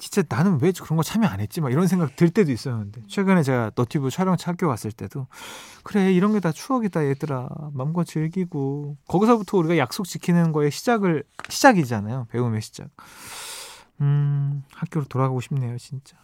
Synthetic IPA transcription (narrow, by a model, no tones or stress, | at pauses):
t͡ɕi̥nt͡ɕ͈ananɯnwed͡ʑokɯɾʌnɡʌt͡ɕʰamianɦe̞t̚t͡ɕ͈imaiɾʌnsʰe̞ŋɡak̚tɯɭt͈e̞dois͈ʌnɯnde̞t͡ɕʰwe̞ɡɯne̞t͡ɕe̞ɡanʌtʰibut͡ɕʰaɾjʌŋt͡ɕʰhak͈jowas͈ɯɭt͈e̞dokɯɾe̞iɾʌnɡe̞tat͡ɕʰuʌɡitajet͈ɯɾa̰mamɡʌt͡ɕɯɭɡiɡokʌɡisʰʌbutʰʌuɾiɡajak̚s͈ok̚t͡ɕ͈ikʰinɯnɡʌe̞ɕʰid͡ʑaɡɯɭɕʰid͡ʑaɡid͡ʑanajope̞ume̞ɕʰid͡ʑa̰k̚ | ɯhak͈joɾɯtoɾaɡaɡoɕʰimne̞jot͡ɕint͡ɕ͈ḁ